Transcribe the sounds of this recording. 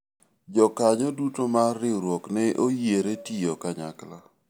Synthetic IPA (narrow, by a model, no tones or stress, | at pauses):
d͡ʒɔkaɲɔdutomarɪɾwɔknɛʔojeɾetijokaɲa̰kla